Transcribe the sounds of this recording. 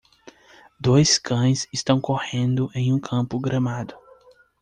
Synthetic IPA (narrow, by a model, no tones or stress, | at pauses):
d̪ojskʰɐ̃j̃sɪst̪ɐ̃w̃kohẽnd̪ʊʔẽj̃ũkʰɐ̃mpʊɡɾʔɐ̃mad̪ʊ